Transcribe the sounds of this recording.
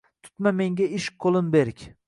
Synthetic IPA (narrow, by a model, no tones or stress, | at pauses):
t̪ʰʊ̥t̪mame̞ŋɡʲaɪʃqʰːolˠɪmbeɾɪkʲ